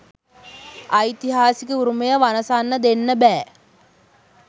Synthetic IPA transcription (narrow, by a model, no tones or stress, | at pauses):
ajt̪iɦaːsikəuɾuməjəʋanəsanːəd̪enːəbæː